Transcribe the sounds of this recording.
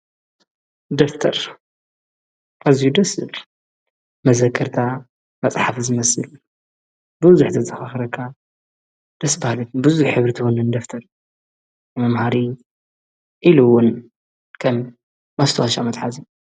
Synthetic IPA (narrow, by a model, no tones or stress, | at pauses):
d̪oft̪ʰɐɾ | ʔazijud̪ɐsɨl | mɐzɐkʰːɐɾt̪ʰa | mɐt͡sʼħafzɨmɐsɨl | bɨβzuħt̪ʰɐzʼɐxaxɐɾɐkʰːa | d̪̥ɐsbahlɨt̪bɨzuħħɨβɾɨt̪ʰiwonɨnd̪oft̪ʰɐɾ | mɐmhaɾi | ʔiluwʊn | kʰɐmː | ɐst̪ʰɐwaʃamɐt̪ħazi